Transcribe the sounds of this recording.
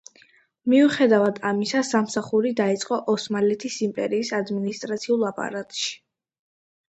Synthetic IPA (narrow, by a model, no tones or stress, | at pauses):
miuχɛd̪avad̪amisasamsaχuɾid̪ait̪sʼqʼɔʔɔsmalɛt̪ʰisimpʼɛ̰ɾiːsad̪minist̪ʼɾat̪sʰiulˠapʼa̰ɾat̪ʼʃi̥